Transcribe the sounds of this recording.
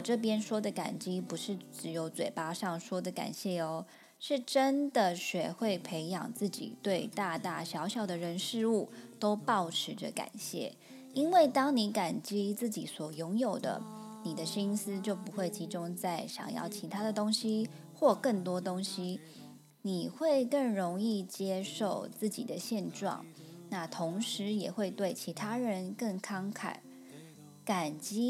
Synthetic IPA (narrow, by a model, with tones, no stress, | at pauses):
wɔ˨˩ʈ͡ʂɤ˥˩p̬jɛ˥nʂwɔ˥d̪ə˨ka̰˨˩nt͡ɕi˥pu˧˥ʂɻ̩˥˩ʈ͡ʂɻ̩˧˩jo˧˥ʊt͡swe˨˩ɪpa˥ʂɑ˥˩ŋʂwɔ˥d̪ə˨ka̰˨˩nɕjɛ˥˩ɔ˧˦ | ʂɻ̩˥˩ʈ͡ʂə˥nd̪ə˨ɕɥɛ˨˩xwe˥˩ɪpʰe˧˥ɪjɑ̰˨˩ŋt͡sɹ̩˥˩t͡ɕḭ˨˩t̪we˥˧ɪt̪a˥˧t̪a˥˩ɕjɑ˧˥ʊɕjɑ˨˩ʊd̪ə˩ɻə˧˥nʂɻ̩˥˧u˥˩t̪o˥ʊpɑ˥˩ʊʈ͡ʂʰɻ̩˧˥ʈ͡ʂə˥˧ka̰˨˩nɕjɛ̰˥˩ | i˥nwe˥˩ɪt̪ɑ˥ŋni˧˥ka˨˩nt͡ɕi˥t͡sɹ̩˥˩t͡ɕi˨˩swɔ˨˩jʊ˧˥ŋjo˨˩ʊd̪ə̰˦ni˨˩d̪ə˦ɕi˥ŋsɹ̩˦t͡ɕjo˥˩ʊpu˧˥xwe˥˩ɪt͡ɕʰi˧˥ʈ͡ʂʊ˥ŋt͡sa˥˩ɪɕjɑ̰˨˩ŋjɑ̰˥˩ʊt͡ɕʰi˧˥t̪ʰa˥d̪ə˨t̪o˥ŋɕi˧˥ | xwɔ˥˧kə˥˩ŋt̪wɔ˥t̪o˥ŋɕi˧˥ | ni˨˩xwe˥˧ɪkə˥˩ŋɻʊ˧˥ŋi˥˩t͡ɕjɛ˥ʂo˥˩ʊt͡sɹ̩˥˩t͡ɕḭ˨˩d̪ə˦ɕjɛ˥˧nʈ͡ʂwɑ̰˥˩ŋna˥˩t̪ʰo˧˥ŋʂɻ̩˧˥˦jɛ˨˩xwe˥˧ɪt̪we˥˩ɪt͡ɕʰi˧˥t̪ʰa˥ɻə˧˥nkə˥˩ŋkʰɑ˥ŋkʰa̰˨˩˦ | ka˨˩nt͡ɕi˥